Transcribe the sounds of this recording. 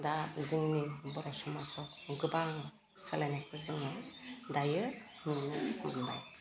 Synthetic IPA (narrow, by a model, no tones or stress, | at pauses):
daziŋnibɔɾɔsɔmasɔkɡɯbaŋ | salanakʰɯziŋɔdajɯ | nɯŋnimanba̰j